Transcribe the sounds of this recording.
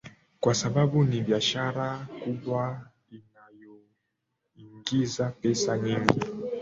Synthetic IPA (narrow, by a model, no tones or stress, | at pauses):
kwasaɓaɓuniɓiaʃaɾakuɓwa | inajɔ | iŋɡizapɛsaɲiŋɡi